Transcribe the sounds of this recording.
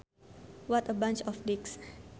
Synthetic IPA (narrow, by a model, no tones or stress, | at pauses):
wɔt̪əbãnt͡ʃɔfdiks